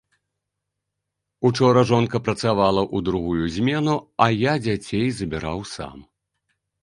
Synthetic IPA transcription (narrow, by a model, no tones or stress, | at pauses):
ut͡ʂɔɾɐʐɔnkɐpɾɐt̪savalˠɐʔud̪ɾuɣujuzʲmʲɛnuɐjad͡zʲat͡sʲejzɐbʲiɾa̰wsa̰m